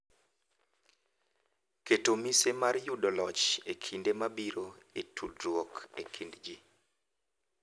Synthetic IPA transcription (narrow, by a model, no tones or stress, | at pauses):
ketomisemarjudɔlɔt͡ʃekʰindemabiɾoetʰudrwokḛkʰindd͡ʒi